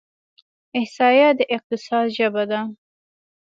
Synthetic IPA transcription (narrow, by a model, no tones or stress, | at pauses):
ɪhsɑjad̪əʔɪq̚t̪ɪsɑd̪ʒəbad̪a